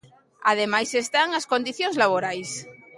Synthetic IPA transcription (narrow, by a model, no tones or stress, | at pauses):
að̞emajsest̪aŋaskond̪iθjoŋzlaβ̞oɾajs